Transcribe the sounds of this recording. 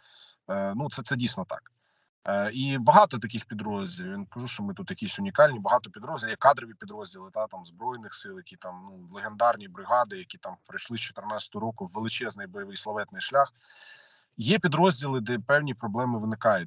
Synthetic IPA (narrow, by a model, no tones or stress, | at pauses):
nut̪sɛt̪sɛdʲijsʲnɔt̪ɑ̰kː | ibɐɦɑt̪ɔt̪ɐkʲɪxpʲid̪ɾɔzʲdʲilʲˠijinkɐʒuʃt͡ʃɔmɪt̪ut̪jɐkʲisʲʊnʲikɑlʲnʲibɐɦɑt̪ɔpʲid̪ɾɔzʲilˠjɛkɑd̪ɾɔʋʲipʲid̪ɾɔzʲdʲilˠɪt̪ɑt̪ɑmzbɾɔjnɪxsɪlˠjɐkʲit̪ɑmnulˠeɦend̪ɑrnʲibɾɪɦɑd̪ɪjɐkʲit̪ɑmpɾɪʃlˠɪst͡ʃɔ̥t̪ɪrnɑt͡sʲɐ̥t̪ɔɔɾɔkʊːelˠɪt͡ʃɛznɪjbɔjɐʋɪjslˠɐʋɛt̪nɪjʃlʲax | jɛpʲid̪ɾɔzʲdʲilˠɪd̪ɛpɛwnʲipɾɔblˠɛmɪʋɪnɪkɑjʊ